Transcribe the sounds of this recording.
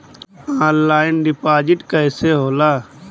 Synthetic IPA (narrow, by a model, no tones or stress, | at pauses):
aːnlaːɪnɖɪpaːd͡ʒɪʈkəːseɦoːlaː